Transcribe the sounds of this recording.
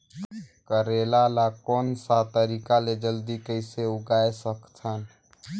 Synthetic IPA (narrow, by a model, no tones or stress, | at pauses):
kəɾeːlalakɔːnsat̪əɾiːkaled͡ʒəld̪ikəɪseʊɡaːesəkt̪ʰən